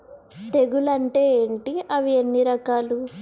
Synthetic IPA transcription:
t̪e̞ɡulɐɳʈeːeːɳʈiɐʋienːiɾɐkaːlu

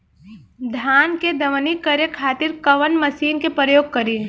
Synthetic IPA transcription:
d̪ʱaːnked̪ɐʋənikəɾjekʰaːt̪ɪɾkəʋənməsiːnkepɾəjoːɡ̚kəɾiː

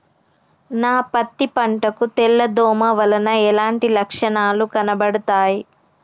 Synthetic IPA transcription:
naːpɐt̪ːipɐɳʈɐkut̪ɛɭːɐd̪ɔːmɐʋɐlɐnɐɛlaːɳʈilɐkʂɐɳaːlukɐnɐbɐɽɐt̪aːji

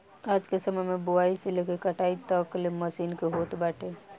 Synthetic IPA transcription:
aːd͡ʒkesəməjmẽbʊaːiselekekɐʈaːit̪əkleməsiːnkeɦoːt̪baːʈe

